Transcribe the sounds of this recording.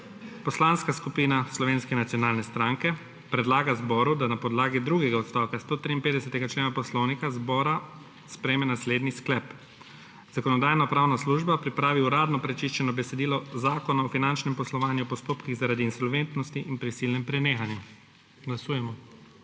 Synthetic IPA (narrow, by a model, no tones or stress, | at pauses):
pɔslanskaskupiːnaslɔʋeːnskɛnat̪sjɔnaːlnɛst̪ɾaŋkɛ | pɾɛd̪laːɡazbɔːɾud̪anapɔd̪laːɡid̪ɾuɡɛɡaɔt̪st̪ɔwkast̪oːt̪ɾiːnpeːd̪ɛsɛt̪ɛɡat͡ʃleːnapɔslɔwnikazbɔːɾa | spɾɛjemɛnasleːd̪nisklɛp | z̥akɔnɔd̪aːjnapɾaːwnasluʒbapɾipɾaːʋiuɾaːd̪nɔpɾɛt͡ʃiʃt͡ʃɛnɔbɛsɛd̪iːlɔzaːkɔnaɔfinant͡ʃnɛmpɔslɔʋaːnjuɔpɔst̪oːpkiɣzaɾaːd̪iːnsɔlʋent̪nɔst̪iʔinpɾisilnɛmpɾɛneːxanju | ɡlasuːjɛmɔ